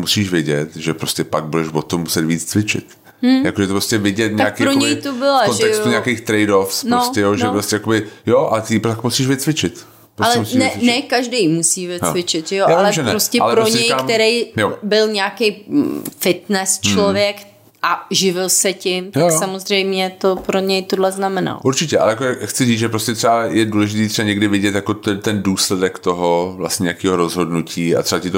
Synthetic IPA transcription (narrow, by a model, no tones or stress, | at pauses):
musiːʃvɪɟɛt̪ʒɛpɾoscɛpaɡ̚budɛʃvot̪omːusɛt̪viːt͡st͡svɪt͡ʃɪ̰t̪̩ː | jakoʒɛt̪opɾoscɛvɪɟɛt̪̚ɲakkiɾoɲɛjt̪obɪlaonʒɛksuɲɛakejxt̪ɾɛjdofsnooscɛjoʒɛpɾostɛjakobɪjoʔaɛt̪ɪp̪akmusiːʃvɪt͡svɪt͡ʃɪt̪ | pɾoaslɛmusiɛnɛkaʒdejmusiːvɪvɪt͡ʃɪt̪ʒɛjoʔaalɛʒɛnɛɾoscɛalpɾoɲɛjakmɛɾejjobɪlɲɛakejfɪt̪nɛst͡ʃlovjɛk | ʔaʒɪvɪlsɛcɪmt̪jaoksamozr̝ɛjmɲɛt̪o̞pɾoɲɛjt̪odlɛznamɛna̰l̰ʔuɾt͡ʃɪcɛʔa̰lɛjakoxtt͡sɪziːt͡sʒɛpɾoscɛt̪r̥ɛbajɛduːlɛʒɪt̪iːt̪rɛbaɲɛɡdɪvɪɟɛt̪jakot̪ɛt̪ɛnduːslɛdɛkt̪oɦovla̰stɲɛjakiːɦoɾozɦodnucʰiːa̰t̪r̥ɛbacɪt̪o